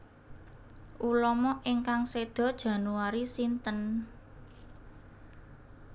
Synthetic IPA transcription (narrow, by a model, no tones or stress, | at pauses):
ʔulɔmɔʔiŋkaŋsed̪̥ɔ̤d̥ʒ̥ä̤nuaɾisint̪ən